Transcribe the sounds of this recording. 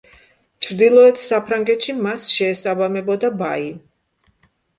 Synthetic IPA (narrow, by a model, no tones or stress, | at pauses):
t͡ʃʰɾd̪ilˠɔɛt̪ʰsapʰɾaŋɡɛt̪ʃimasʃɛːsabamɛbɔd̪aba̰i